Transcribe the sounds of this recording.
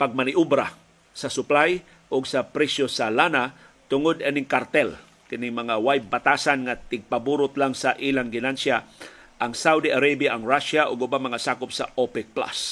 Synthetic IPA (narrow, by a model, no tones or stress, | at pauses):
paɡ̚manɪʔubɾa | sɐsʊplaj | ʔʊɡsɐpɾɛsjosalana | t̪ʊŋʊd̪anɪŋkaɾt̪ɛl | kɪnɪŋmɐŋawajbat̪aːsanŋat̪ɪɡ̚pabuːɾʊt̪laŋsaʔilaŋɡɪnansjaʔaŋsawd̪iʔaɾabjaʔaŋɹaʃaʔʊɡʊbamɐŋasaːkʊpsaʔopɛk̚pla̰s